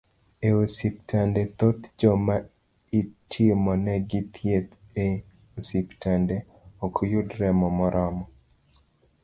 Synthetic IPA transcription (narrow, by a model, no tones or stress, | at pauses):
eosip̚tʰandɛt̪ot̪d͡ʒɔma | itʰɪmɔnɛɡit̪ʰjet̪e | osiptʰande | okʰjudɾɛmɔmɔɾʔɔmɔ